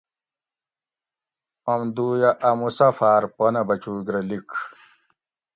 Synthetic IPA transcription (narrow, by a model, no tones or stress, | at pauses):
ɐmd̪uːjaʔɐmusɐfaːɾpɐnɐbɐt͡ɕuːɡɾɐlik